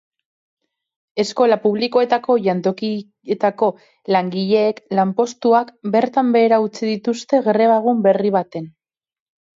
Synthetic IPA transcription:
e̞sko̞lapuβ̞liko̞e̞t̪ako̞ʝant̪o̞ki | et̪ako̞ | laŋɡiʎe̞ːklampo̞st̪uakbe̞ɾt̪ambe̞ːɾaut͡siðit̪ust̪e̞ɣɾe̞β̞aɣ̞umbe̞riβ̞at̪e̞n

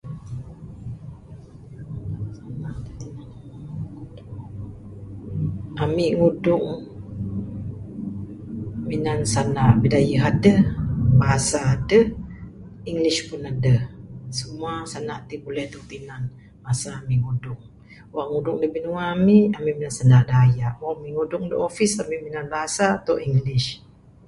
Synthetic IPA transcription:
na | amiʔŋudʊŋ | minansanaʔbidajəɦadəbaɦasaːdəh | iŋliʃpʊnadəhsəmuasanaʔt̪ibulɛht̪ut̪inan | baasaːmiʔŋudʊŋ | waʔŋudʊŋdəbinuaːmiʔamiʔminansanaʔdajaʔwaʔamiʔŋudʊŋdəʔofisamiʔminanbaɦasat̪oʔiŋliʃ

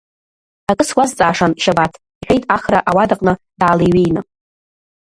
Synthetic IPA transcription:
akʼɨswazt͡sʼaːʂanʃabatʰ | iħʲʷᶣejtʼaχraʔawadaqʼnɨ | d̥aːlejɥejnɨ

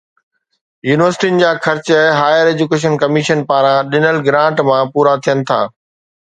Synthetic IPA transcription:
juːnɪʋəɾsɪ̥ʈinɪ̆d͡ʑaːxʰɐɾt͡ɕɛɦaːjəɾeːd͡ʑukeːʃ̬ənkɐmiːʃənpaːɾãɗɪnəlɡɾãːɳʈmãpuːɾat̪ʰijənɪ̆t̪ʰa̰ː

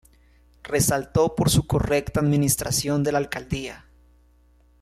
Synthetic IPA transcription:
re̞salt̪o̞po̞ɾsuko̞re̞kt̪aːðmĩnist̪ɾasjo̞nd̪e̞lalkald̪ia

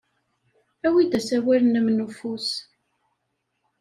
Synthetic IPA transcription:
æwid̪æsæwælənæmnəfus

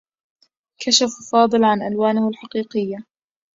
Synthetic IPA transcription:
kʰaʃaffɑːd̪ˤɨlʕanʔalwaːnɪhalħaqiːqɪjːa

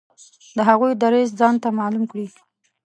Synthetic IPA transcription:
d̪əɦaɣujd̪aɾezd͡zɑnt̪amɑlumkɽi

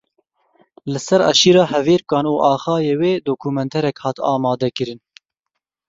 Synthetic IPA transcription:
lɨsɛɾɑ̰ʃiːɾɑːhɛveːɾkɑːnuːʔɑːxɑːjeːweːd̪oːkʰuːmɛnt̪ʰɛɾɛkhɑːt̪ɑ̰ːmɑːd̪ɛkɨɾɨn

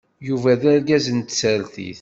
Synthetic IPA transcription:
juvæðæɾɡæzənt̪səɾθḭθ

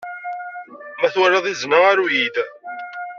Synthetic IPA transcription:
mæθwəɾɑðˤiznəaɾujid̪

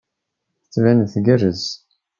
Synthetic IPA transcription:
θət͡sːvænθɡərːəz

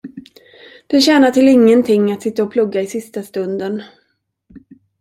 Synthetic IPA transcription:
d̪̥ɛɕɛːnaʈɪlɪŋːənt̪ʰɪŋːat̪sɪt̪ːaɔpʰlɵɡːaɪsɪst̪ast̪ɵnd̪ən

